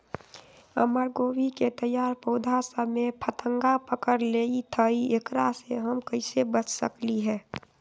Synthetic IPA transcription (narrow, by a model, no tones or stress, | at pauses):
ə̰məɾɡoːwiket̪əjaːɾpoːd̪ʱasəmepʰət̪ə̃ŋɡapəkəɾleit̪ʰəiekɾaseɦəmkəɪsebət͡ʃʰsə̰kliɦɛː